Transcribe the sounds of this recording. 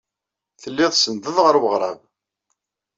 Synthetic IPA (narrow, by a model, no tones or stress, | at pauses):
θəlːɪðˤsənðəðʁəɾwəʁɾˤɑ̰v